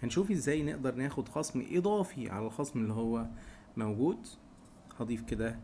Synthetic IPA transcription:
hænʃuːfʔezːæːjnḛʔd̪ɑɾˤnæːxod̪xɑsˤmʔed̪ˤɑːfiʕa̰lælxɑsˤmelːihowːæ | mæwɡuːd̪ | hɑd̪ˤiːfked̪æ

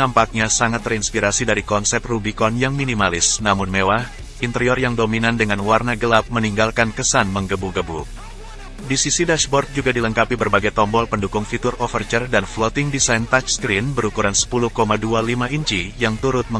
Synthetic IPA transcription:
ampak̚ɲasaŋat̪ːərinspiɾasidaɾikɔnsɛp̚t̪rubikɔnjaŋminimalɪsnamʊnmewah | int̪əɾiɔrjaŋdominandəŋanwarnaɡəlap̚məniŋɡalkankəsanməŋɡəbuɡəbu | disisidaʃbɔrt̪̚d͡ʒuɡadiləŋkapibərbaɡajt̪ɔmbɔlpəndukʊŋfit̪urɔfərt͡ʃərdanflɔt̪ɪŋdisajnt̪at͡ʃskɾinbəɾukuɾansə̥puluhkomadualimaiɲt͡ʃijaŋt̪uɾʊt̪̚mə

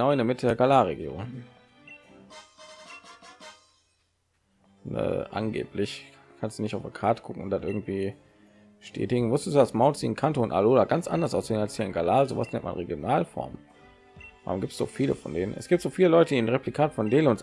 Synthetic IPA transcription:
ənaʊɪndeːɐmɪtədeːɐɡalaːʁeɡjo̰ːn | nə̰ʔa̰nɡḛːplɪç | kʰanstd̥unɪçtaʊfakʰaːtə̥ɡ̥kʰʊkŋ̩ʊntd̥aːtʔɪɐɡŋ̩tv̥iː | ʃtʰɛ̰ːtɪɡŋ̩mʊstəsduasmaʊntz̥iːn̩kʰantoʊnʔa̰loːlaɡant͡sʔa̰ndɐsʔaʊsz̥eːnalshiːɐɪnɡalaːzo̰ːva̰snɛ̰ntma̰nʁeɡjonaːlfɔ̰ɐm | va̰ːʁʊmɡiːptz̥o̰ːfiːlə̰fɔ̰ndeːnənʔɛ̰sɡ̥iːp̚tz̥oːfiːləlɔʏtədiːnʁeplikʰaːtfɔndeːlʊns

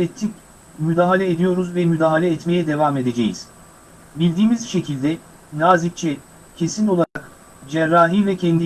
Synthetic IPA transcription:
et̪ʰːic | myd̪aːɦalʲɛed̪ijo̞ɾuzvɛmyd̪aːɦalʲɛːt̪me̞jɛd̪e̞vame̞d̪e̞d͡ʒḛjḭz̥ | bilʲd̪iːmizʃe̞cʰilʲd̪ɛ | naːzic̚t͡ʃʰɛ | cʰe̞sino̞lˠaɾak | d͡ʒɛɾːaːɦivɛcʰɛnd̪i

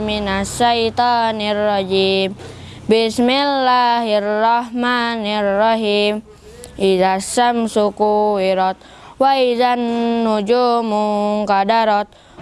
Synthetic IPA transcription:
minasait̪anirːɔd͡ʒim | bismilːaɦirːɔhmanirːɔɦim | izasamsukuiɾɔt̪̚ | waizanːud͡ʒumuŋkadaɾɔt̪̚

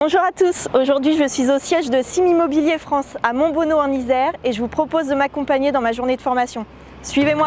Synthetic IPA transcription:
bɔ̃ʒuʁat̪usoʒuʁd̪ɥiʒəsɥizosjɛʒd̪əsimimɔbiljefχɑ̃samɔ̃bonoɑ̃nizɛʁeʒəvupχɔpozd̪əmakɔ̃paɲed̪ɑ̃maʒuʁned̪əfɔʁmasjɔ̃ | sɥivemwa

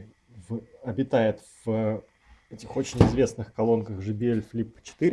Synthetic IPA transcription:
vɐbʲɪt̪ajɪt̪v̥ə | ɛtʲɪxo̞t͡ɕɪnʲɪzvʲe̞snɨxkɐlˠo̞nkəxʐɨbʲɪelʲflʲipːə̥t͡ɕɪ̥t̪ɨɾʲ

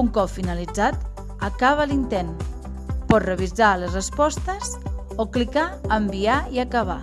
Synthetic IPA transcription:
uŋkɔpfinəlid͡zat̪ | əkaβəlint̪en | pɔt̪rəβ̞izaləzrəspɔst̪əz | oklikaəmbiaiəkəβa

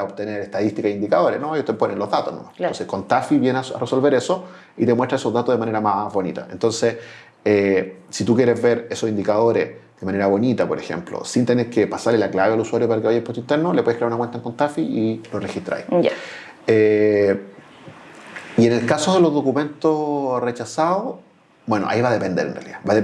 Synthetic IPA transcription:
aaopt̪e̞neɾeht̪aðist̪ikaeind̪ikaðo̞ɾenojuht̪eponenlozðat̪osnomaonsekont̪afiβjena̰rʔeso̞lβe̞ɾeso | it̪emwet̪ɾaesozðat̪oðemane̞ɾamazβo̞nḭt̪a̰ent̪o̞nse | esit̪ukjeɾezβeɾesosind̪ikað̞o̞ɾezðemaneɾaβo̞nit̪apoɾexḛmplo̰sint̪eneɾkepasaɾlelaklaβealuswaɾjo̞paɾakeβajaempot̪oint̪eɾnolepwe̞kɾeaɾunakwent̪aeŋkont̪afiilorexit̪ɾa̰ja | e | ienelkasoðe̞lozðokume̞nt̪osre̞t͡ʃasao | bwe̞noʔa̰iβaðe̞pe̞nd̪eɾḛnrea̰lḭðabae

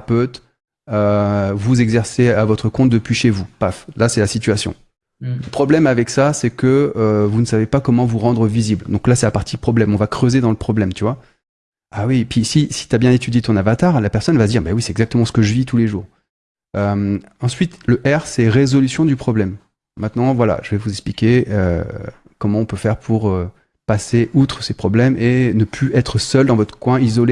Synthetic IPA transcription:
pøt̪ | øvuzɛɡzɛʁseavɔt̪χəkɔ̃t̪̚d̪əpɥiʃevupaflasɛlasit̪ɥasjɔ̰̃ | ləpχɔblɛmavɛksasɛkəøvunəsavepakɔmɑ̃vuʁɑ̃d̪ʁəvizibld̪ɔ̃klasɛapaʁt̪ipχɔblɛmɔ̃vakχøzed̪ɑ̃ləpχɔblɛmt̪yvwa | awipɥisisi̥t̪yabjɛ̃et̪yd̪jet̪ɔ̃navat̪aʁlapɛʁsɔnvad̪iʁbɛwisɛ̥t̪ɛɡzak̚t̪əmɑ̃sə̥kəʒəvit̪ʰuleʒuːʁ | øm | ɑ̃sɥit̪ləʔɛʁsɛʁezɔlysjɔ̃d̪ypχɔblɛmː | ɛ̃t̪nɑ̃vwala̰ʒ̥əvɛvuzɛksplikʲeø̰ | kɔmɑ̃ɔ̃pøfɛʁpʰuʁø | paseʔut̪χəsepχɔblɛmenəpʰlyʔɛt̪χəsœld̪ɑ̃vɔt̪χə̥kwɛ̃izɔle

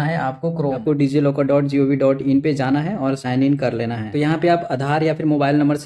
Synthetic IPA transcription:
aɦɛaːp̚kokɾoːkoɖiːd͡ʒiloːkaɖɔːʈd͡ʒiːoːʋiɖɔːʈɪnped͡ʒaːnaɦɛɔːɾsãːɪnɪnkɐɾleːnaɦɛ̰ːojɐɦãpeaːpad̪ʱaːɾjafʰɪɾmoːbaːɪlnɐ̃mbəɾs

